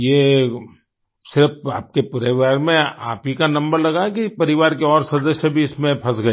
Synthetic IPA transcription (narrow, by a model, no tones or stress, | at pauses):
jeː | sɪɾfaːp̚kepʊɾeʋaːɾmẽa̰ːpikanɐ̃mbəɾlɐɡakipɐɾɪʋaːɾkeɔːɾsɐd̪əʃəbʱiʊsmẽpʰɐsɡɐeː